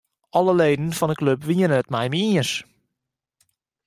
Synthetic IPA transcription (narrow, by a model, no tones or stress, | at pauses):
ɔləleːdən̩fɔnəkløpʋiənəətmɛjmiəs